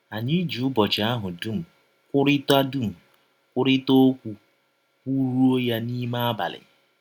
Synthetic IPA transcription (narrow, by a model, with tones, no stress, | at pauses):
a˨ɲi˦d͡ʒu˨˦bɔ˨t͡ʃɪ˨a˦ɦʊ˨du˦m̩˨ | kʷʊ˦ɾɪ˦ta˦du˦˨m̩˨ | kʷʊ˦ɾɪ˦to˦kʷu˦ | kʷu˦ɾu˦o˦ja˦ni˦ma˦a˦ba̰˨lɪ̰˨